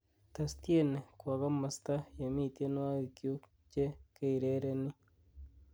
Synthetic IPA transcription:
ta˨sti˦e˦ne˨kwa˨ɣa˦ma˨sta˦je˨mi˦˨tje˦n˦wa˦ɣi˨kju˦ | ce˦ke˦i˨ɾe˦ɾe˦ni˦

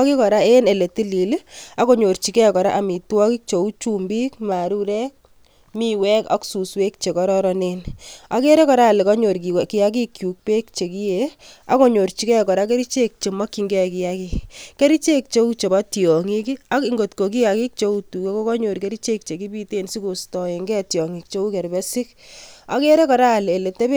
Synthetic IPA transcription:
ki˦kɔ˨ɾa˦e˦ne˨le˨ti˦li˨la˦ko˦ɲo˨ɾt͡ʃi˨kɛ˦kɔ˨ɾa̰˦ʔa˨mi˨twɔ˦ki˦k̚t͡ʃo˨u˦t͡ʃu˦mbi˦k̚ma˨ɾu˦ɾɛ˦k̚ | mi˦wɛ˦ka̰˦ksu˨swe˦k̚t͡ʃe˨kɔ˦ɾɔ˦ɾɔ˦ne˦na˨ke˦ɾe˦kɔ˨ɾaː˦˨le˨kɔ˦ɲo˨ɾki˨wɛ˨ki˦ja˦k̬i˦kju˨k̚pe˦k̚t͡ʃe˨ki˦je˨a˦ko˦ɲo˨ɾt͡ʃi˨kɛ˦kɔ˨ɾa˦k̬e˦ɾi˦t͡ʃe˦k̚t͡ʃe˨mɔ˦kːi˨ŋɡɛ˦ki˦ja˦ki˦kke˦ɾi˦t͡ʃe˦k̚t͡ʃe˦u˦t͡ʃe˨ba˦tjɔ˨ŋi˦ki˦a˨˦ki˦ŋɡo˨tko˨k̬i˦ja˨ki˦k̚t͡ʃe˦u˦tu˨ke˦ko˦kɔ˦ɲo˨ɾke˦ɾi˦t͡ʃe˦k̚t͡ʃe˨ki˦bi˦te˦nsi˦ko˨stɔ˨e˨ŋɡɛ˦tjɔ˨ŋi˨k̚t͡ʃe˦u˦kɛ˨ɾbɛ˦sɪ˦ka˨ke˦ɾe˦kɔ˨ɾa˦˨le˨le˨te˦b

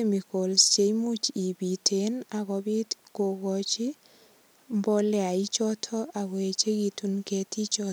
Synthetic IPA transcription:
e˦mi˨ko˨lst͡ʃe˨jmu˦t͡ʃi˨bi˨tʰe˨na˨kɔ˨bi˦tko˨ɡɔ˨t͡ʃɪ˦ | mbɔ˦lɛ˦a˨i˦t͡ʃɔ˦tʰɔ˦ʔa˨ɡwe˨t͡ʃe˦ɡi˦tu˦nke˦ti˦t͡ʃɔ˦

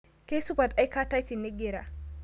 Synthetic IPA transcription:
ke˦su˦ba˨tʔa˦jkaː˦ta˦ti˨nːi˦ɡe˦ɾa˨

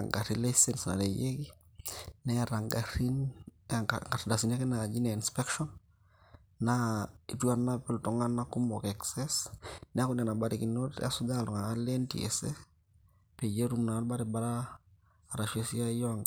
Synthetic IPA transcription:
aŋɡa˨ɾi˦lesɛ˦nsna̰˨ɾe˨je˦ki˦nɛ˦a˨ɾa˨ŋɡaɾi˦n | ŋɡa˨ɾda˨si˨na˦ke˦na˨d͡ʒi˦na˨i˨nspɛ˦kʃɔnː | ai˨tu˦a˨na˦pɛ˦ltɔ˨ŋa˦na˦ku˦mbɔ˨kɛ˨ksɛ˦snɛ˦a˦ku˦n˨a˨na˨ba˨ɾe˨ki˨no˦ta˦su˦da˦˨lɔ˨ŋaː˨˦le˦ntḭ˨ḛ˨se | pe˨je˦ɾu˦mna˨˦ba˦ɾɛ˨ba˦ɾaː˦˨ | ɾa˨ʃe˦si˦a˦jɔ˨ŋ

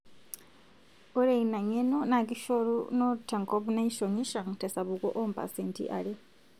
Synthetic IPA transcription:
o˦ɾe˨ina˨ɲenona˨ki˦ʃoɾṵno˦tʰːa˨ŋko˦βu˦na˦iʃoɲi˦ʃa˨ŋtʰe˨sa˨βukʼo̰˦ʔompʰa̰˨sentʰḭʔa̰le˦

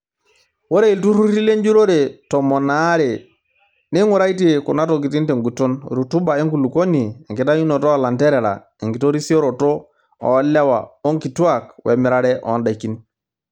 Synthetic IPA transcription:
wo˦ɾe˦i˨ltu˦ɾu˦ɾi˦le˦nd͡ʒu˦ɾo˦ɾe˨tɔ˨mɔ˨na˨˦ɾe˨ | ni˦ŋu˦ɾa˦i˦t̬i˦˨kṵ˨na˦to˨k̬i˨ti˦nte˨ŋɡu˨to˦nɾu˨tu˦ba˨e˦ŋku˨lu˨ko˦niː˨ŋki˨ta˦ju˦no˨tɔ˦a˨la˨ntɛ˦ɾɛ˨ɾa̰˨ | e˨ŋki˨to˦ɾi˦si˦o˦ɾo˨to˦ | ɔ̰˨˦lɛ˦wa̰˨o˦ŋki˨tu˦a˨k̚wʔe˨mi˨ɾa˦ɾɛ˦ʔɔ̰˨˦nda˨ki˦n

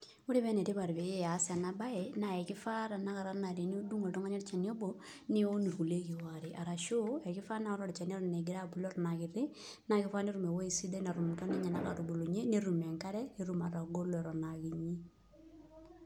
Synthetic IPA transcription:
u˦ɾi˦βɛ˦nɛ˨ti˦βa˨ɾbe˨ɛ˦a˨˦sa˨na˨ba˦ɛ˨na˨ɛ˨kɪ˦fa˦ɾa˨na˦ka˨ɾa˦na˨ɾi˨n˦o˦du˦ŋo˨ltɔ˦ŋa˦ɲɛ˦ɾt͡ʃa˨ni˦o˦bo˨ | ni˦o˦ni˨ɾku˨le˦ki˨wa˨ɾi˨ʔa˨ɾa˨ʃo˦ɛ˨kɪ˦fa˦na˦ɔ˦ɾɔ˦˨ɾi˨t͡ʃa˨n˦ɾɔ˦˨nɛ˨ɡɪ˨ɾa˦bu˨lɔ˦ɾɔ˨na˨kɪ˨ɾɪ˦ | na˨kɪ˦fa˦ne˦ɾu˨mɛ˨wo˦i˨si˦de˦na˨ɾu˨mtɔ˦ni˦ɲa˨na˦ka˨ɾu˨bu˨lu˨ɲe˦ne˦ɾu˨mɛ˨ŋka˦ɾɛ˦ne˦ɾu˨˦ma˨ɾa˨ɡo˦lɛ˨ɾɔ˨naki˨ɲi˦

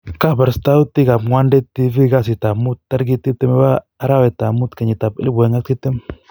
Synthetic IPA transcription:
ka˦ba˨ɾsta˦u˦ti˦ɡa˨pŋwa˦ndɛ˦ti˦vi˦ɡa˦s̬ɪ˨ta˨mu˦tːa˦ɾɡi˦tːi˦tɪ˦mɛ˦baː˦ | ɾa˦wɛ˨ta˨mu˦t̪ka˨ɲi˨ta˨pɪ̰˦lɪ˦bɛ˨ŋa˦ki˦tɪ˦m

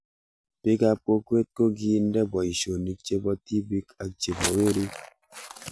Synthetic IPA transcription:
pɪ˦ka˦p̚ko˦kwe˦t̪̚ko˦ɡi˦ndɛ˦bɔ˨i˨ʃo˨ni˨k̚t͡ʃe˦bɔ˦ti˦bi˦ka˨t͡ʃe˨bɔ˨we˦ɾi˦

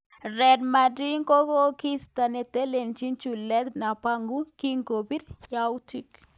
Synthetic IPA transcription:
ɾɛ˨dma˨di˦ŋko˦ko˦ki˦st̪a˨ne˨t̪e˦le˨nt͡ʃi˦nt͡ʃu˨lɛ˦d̪na˨pa˦ŋɡu˦ki˦ŋko˨bi˦ɾja˦u˦ti˦k

